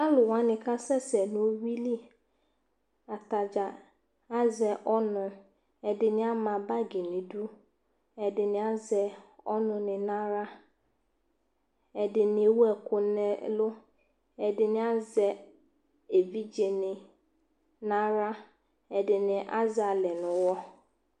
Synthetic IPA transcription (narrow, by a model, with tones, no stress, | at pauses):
a˦lʊ˨wã˦nɪ̃˨kʰa˦sɛ˦sɛ˨nʊ̃˨o˦wi˦li˦ | a˨tʰa˨d͡ʒa˨ | a˦zɛ˨ʔɔ˦nʊ̃˨ | ɛ˨dɪ˨nɪ̃˦a˦mã˨ba˦ɡi˨nɪ̃˨du˦ | ɛ˨dɪ˨nɪ̃˨a˦zɛ˨ɔ˦nʊ̃˨nɪ̃˨nã˦ɾa˦ | ɛ˨dɪ˨nɪ̃˨e˨wɛ˨kʰʊ˨nɛ˦lʊ˦ | ɛ˨dɪ˨nɪ̃˨˦a˦zɛ˨ | e˨vi˦d͡ʒe˨nɪ̃˨ | nã˦ɾa˦ | ɛ˨dɪ˨nɪ̃˨ʔa̰˦za˨lɛ˨nʊ̃˨wɔ˦